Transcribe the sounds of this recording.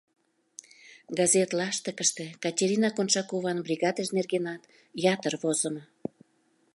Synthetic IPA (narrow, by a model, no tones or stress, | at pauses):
ɡɑzet̪lɑʃt̪ə̆kəʃt̪ĕkɑtʲeɾʲinɑkonʃɑkoβɑnbrʲiɣɑd̪əʃnerɣenɑt̪ | jɑt̪ərβozə̆mə